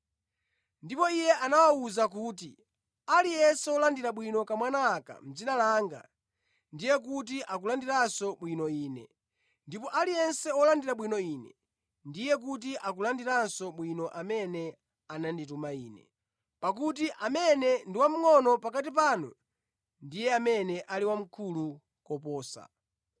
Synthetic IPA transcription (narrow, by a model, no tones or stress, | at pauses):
ndipɔijɛʔanawauzak̬uːti | alijɛnsɛɔlandiɾaɓwinɔkamwanaːka̰m̩d͡zinalaːŋɡa̰ | ndijɛk̬utiʔak̬ulandiɾansɔɓwinɔiːnɛ̰ | ndipɔʔalijɛnsɛɔlandiɾaɓwinɔiːnɛ | ndijɛk̬ut̬iʔakulandiɾansɔɓwinɔʔamɛnɛ | anandit̬umaiːnɛ̰ | pak̬ut̬iʔamɛnɛndiwam̩ŋɔnɔpakatip̬anɔ̰ | ndijɛamɛnɛʔaliwam̩kʰulu | kɔpɔːsa̰